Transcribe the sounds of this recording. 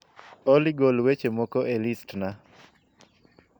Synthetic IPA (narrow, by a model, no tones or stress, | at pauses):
oliɡolwet͡ʃemɔkɔelistna